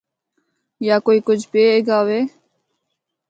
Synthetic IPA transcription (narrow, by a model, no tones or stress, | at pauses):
jaːkoːiːkʊd͡ʒʰʱpeːeːɡaːʋeː